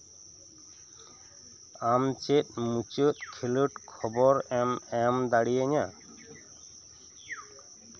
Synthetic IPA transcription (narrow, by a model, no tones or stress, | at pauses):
amt͡ʃet̪̚ˀmut͡ʃət̪̚kʰiləʈkʰɔbɔɾɛmɛmd̪aɽijəɲa